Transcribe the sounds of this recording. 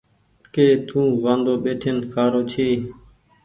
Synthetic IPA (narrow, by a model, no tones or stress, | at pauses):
keːt̪ũːʋãːnd̪oːɓeːʈʰenkʰaːɾoːt͡ʃʰiː